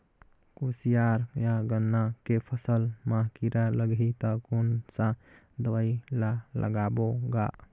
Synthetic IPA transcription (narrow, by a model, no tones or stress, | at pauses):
kusijaɾjaɡənːakepʰəsəlmãɦkiɾaləɡit̪əkonsãd̪əʋailalə̰ɡaboɡa